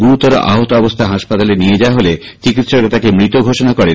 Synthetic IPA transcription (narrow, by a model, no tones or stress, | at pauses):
ɡuɾut̪ːɔɾo̰ʔa̰ɦot̪oɔbost̪ʰaɦaʃpat̪alenied͡ʑaaɦole | t͡ɕikit̪ʃɔɾket̪akemɾit̪oɡʱoʃɔnakɔɽe